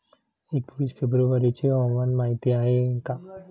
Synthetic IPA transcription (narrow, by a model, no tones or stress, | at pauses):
ekʋiːsfebɾuʋəɾit͡ɕeɦəwmanmaɦit̪iaɦeka